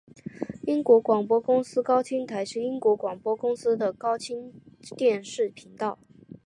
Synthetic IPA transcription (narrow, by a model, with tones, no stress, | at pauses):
i˥ŋkwɔ˧˥kwɑ˨˩ŋpwɔ˥kʊ˥ŋsɹ̩˥kɑ˥ʊt͡ɕʰi˥ŋt̪ʰa˧˥ɪʂɻ̩˥˧i˥ŋkwɔ˧˥kwɑ˨˩ŋpwɔ˥kʊ˥ŋsɹ̩˥d̪ə˨kɑ˥ʊt͡ɕʰi˥nt̪jɛ˥˧nʂɻ̩˥˩pʰi˧˥ŋt̪ɑ˥˩ʊ